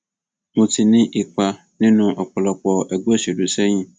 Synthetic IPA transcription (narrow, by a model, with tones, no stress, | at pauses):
mʊ̃˨tʰi˨nɪ̃˦ʔɪ˨k͡pa˨ | nɪ̃˦nʊ̃˨ʔɔ˨k͡pɔ˨lɔ˨k͡pɔ˨ʔɛ˨ɡu˦ɛ˦˨se˨du˨sɛ˦ɲĩ˦